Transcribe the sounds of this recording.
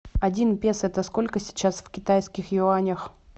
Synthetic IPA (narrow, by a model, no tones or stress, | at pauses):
ɐdʲinpʲesɛt̪əsko̞lʲkəsʲɪ̥t͡ɕasfkʲɪt̪ajskʲɪxjʊanʲəx